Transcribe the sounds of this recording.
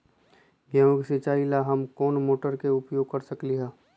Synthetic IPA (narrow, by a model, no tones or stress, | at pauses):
ɡjaksɪt͡ʃaːilaɦɐmkɔːnmoːʈəɾkeʊpjoːɡ̚kɐɾsəkliɦaː